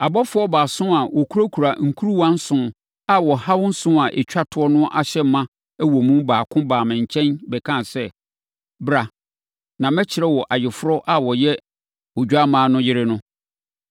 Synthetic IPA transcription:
a˨bɔ˦fʊ˦ɔ˦baː˨sʊ̃˦a˨wʔɔ˨kʰu˦ɾo˦kʰu˨ɾa˨ŋ̩˨kʰu˦ɾu˦wã˦n̩˦sʊ̃˨ | a˦wɔ˨ha˦wʊ̃˦n̩˦sʊ̃˦a˨ʔḛ˨t͡ɕᶣa˦tʰʊ˨˦ɔ˦nʊ̃˦ʔa˨ɕɛ˦m˦mã˦ | æ˦wɔ˨mũ˦mbaː˨kʰʊ̃˦baː˨mɪ̃˨ɲ̩˨t͡ɕʰɛ̃˦nbɛ˨kʰã˦˨sɛ˦ | bɾa˨ | nã˨mɛ̃˦t͡ɕʰɪ˨ɾɛ˦wɔ˨ʔa˨jɪ˨fʊ˦ɾɔ˦ʔa˦wɔ˨jɛ˦ | o˨d͡ʑᶣa˦mãː˦nʊ̃˦jɪ˦ɾɪ˦nʊ̃˦

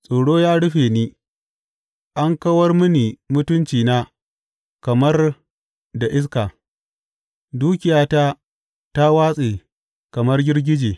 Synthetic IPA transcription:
sʼoː˨ɽoː˦jaː˦ɽʊ˦ɸeː˨niː˦ | ʔa˦ŋkɐ˦wɐ˦rmʊ˦niː˨mʊ˦tʊ˦nt͡ʃiː˨naː˦ | kɐ˨mɐ˦r | da˨ʔɪ˦s̬kaː˨ | duː˦kʲɪ˨jaː˦taː˦ | ta˦waː˦sʼeː˨ | kɐ˨mɐ˦rɡʲɪ˦rɡʲɪ˦d͡ʒeː˨

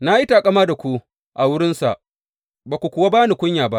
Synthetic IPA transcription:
na˦ji˦taː˨kʼɐ˦maː˦da˨kʷu˦ | ʔa˨wʊ˦ɽɪ˦nsa̰˨ʔ | baː˨kʷu˨kʷʊ˨wa˦baː˦ni˨kʷʊ˦ɲjaː˨ba˦ʔ

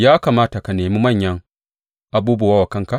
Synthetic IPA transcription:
jaː˦kaː˨maː˦ta˨ka˨neː˨mu˦mɐ˦˨ɲjɐ˦ŋ | ʔa˨buː˦bu˨wa˦wa˨kɐ˦ŋka˨

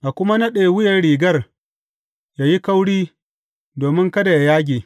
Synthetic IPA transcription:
ʔa˨kʷʊ˦ma˦nɐ˦ɗeː˨wʊ˦jɐ˨rɽiː˨ɡɐ˦r | ja˨ji˦ka˦wɽiː˦ | doː˨mɪ˦ŋkɐ˦da˨ja˨jaː˦ɡʲeː˨

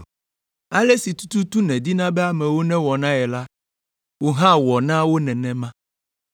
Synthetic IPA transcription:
a˦le˦si˨t̪u̥˦t̪u˦t̪u˦nɛ̃˨d̪i˦nã˦bɛ˦a˨mɛ̃˨wo˦nɛ̃˦wɔ˨nã˦ɛ˨la˦ | wo˦ɦã˦wɔ˨nã˦wo˦nɛ̃˨nɛ̃˦mã˦

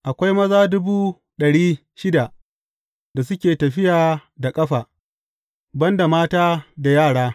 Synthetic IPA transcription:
ʔa˨kʷa˦jmɐ˦zaː˦dʊ˦buː˦ | ɗɐ˨ɽiː˦ | ʃɪ˦da˨ | da˨s̬ʊ˦kʲeː˨tɐ˨ɸɪ˦jaː˨da˨kʼɐ˦ɸaː˨ | bɐ˦nda˨maː˦taː˦da˨jaː˦˨ɽaː˦

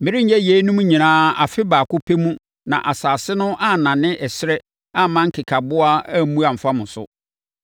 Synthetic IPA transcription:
mɪ̃˨ɾɪ˦ɲ̩˦jɛ˦je˨˦nũ˦m˦ɲĩ˨nãː˦a̰˨fɪ˦baː˨kʊ˦pʰe˦mũ˦ | nã̰˨ʔa˨saː˨sɪ˦nʊ̃˦ʔa˦nã˨nɪ̃˦ʔɛ˨sɪ˦ɾɛ˦ | a˦mã˦ŋ̩˦kʰɪ˨kʰa˨bʊ˦a˦mũ˦a˨m̩˨fa˦mʊ̃˨sʊ̰˦

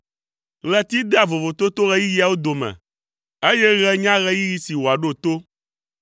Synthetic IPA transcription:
lɛ˨t̪i˦d̪e˦a˨vo˨vo˨t̪o˦t̪o˦ɣɛ˦ji˦ji˦a˨wo˦d̪o˨mɛ̰̃˨ | e˦jɛ˦ɣɛ˦ɲã˦ɣɛ˦ji˦ji˦si˨wo˨a˨ɖo˦˨t̪o˦

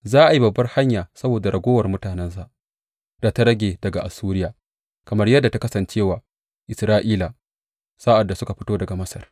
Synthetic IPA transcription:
zaː˦ʔa˨ji˦bɐ˨bːɐ˦rha˦ɲjaː˨sɐ˦boː˨da˨ɾɐ˨ɡʷoː˦wɐ˨rmʊ˦taː˨nɛ˦ns̬a˦ʔ | da˨ta˦ɾɐ˦ɡʲeː˨dɐ˨ɡa˨ʔa˨sːuː˦ɾɪ˦jaː˨ | kɐ˨mɐ˦rjɐ˦dːa˨ta˦kɐ˦sɐ˨nt͡ʃeː˦˨waː˨ | ʔɪ˨sɾaː˦ʔiː˦laː˨ | saː˦ʔa˨dːa˨sʊ˦ka˨ɸɪ˦toː˦dɐ˨ɡa˨mɐ˦sɐ̰˨r

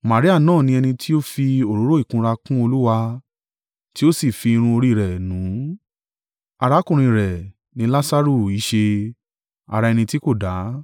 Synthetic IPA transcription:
ma˨ɾi˦a˦˨nãː˦˨nĩ˧ɛ˧nĩ˧tʰi˦o˦fi˧o˨ɾo˨˦ɾo˦i˦˨kũ˧ɾa˧kũ˦o˧lu˦wa˧ | ti˦o˦si˦˨fi˧ɾ̃ũ˧o˧ɾi˦˨ɾɛ˨nũ˨˦ | a˧ɾa˨˦kũ˨ɾ̃ĩ˧˨ɾɛ˨ | nĩ˨˦la˦sa˦ɾu˦˧˨i˨˦ʃe˧ | a̰˧ɾa˧ɛ˧nĩ˧ti˦ko˦˨da˨˦

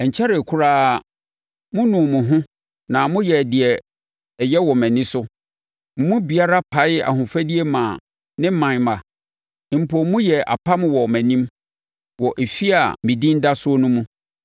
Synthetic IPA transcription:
ɛ˨ɲ̩˨t͡ɕʰɛ˦ɾɛ˨kʰʊ˦ɾaː˦˨ | mʊ̃˦nũ˨mʊ̃˨ɦʊ̃˦ | nã˨mʊ̃˦jɛ˨dɪ˨ɛ˨ | ɛ˨jɛ˦wɔ˨mæ̃˨nĩ˦sʊ˦ | mʊ̃˨mũ˦bi˨a˦ɾa˦pʰa˨˦ɪ˦a̰˨hʊ̃˨fæ˦di˦e˦mã˨ | nɪ̃˦m˦mã˨n˨mã˨ | m̩˨pʰɔ˨mũ˦jɛ˨ʔa̰˨pʰa˦m˦wɔ˨mæ̃˨nĩ˦m | wɔ˨ʔe˨fi˦a̰˨mĩ˨dĩ˦n̩˦da˦sʊ˦ɔ˦nʊ̃˦mũ˦

